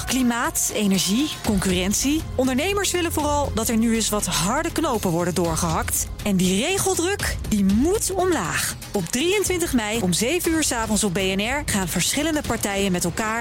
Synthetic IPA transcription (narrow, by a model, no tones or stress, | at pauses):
klimaːtejnɛɹʒikɔŋkyːrɛnsiɔndəɹnejməɹsʋɪlənvʊːrɑlˠdɑtɛɹnyɪsʋɑtɦɑɹdəknowpənʋɔɹdəndʊːɹχəɦɑkt | ɛndirejχəlˠdrɵkdimutɔmlaːχ | ɔbdrijəntʋɪntəχmɛjɔmzejvənyːɹsaːvɔnsɔb̚bejɛnɛɹχaːnvəɹsχɪləndəpɑɹtɛjənmɛtɛlˠkaːɹ